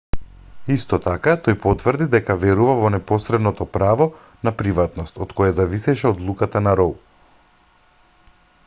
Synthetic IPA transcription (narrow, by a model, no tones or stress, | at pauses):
ist̪ɔt̪akat̪ojpɔt̪vr̩d̪id̪ɛkavɛɾuvavɔnɛpɔsɾɛd̪nɔt̪ɔpɾavɔ | napɾivat̪nɔst̪ɔt̪kɔjazavisɛʃɛɔd̪lˠukat̪anaɾɔlˠ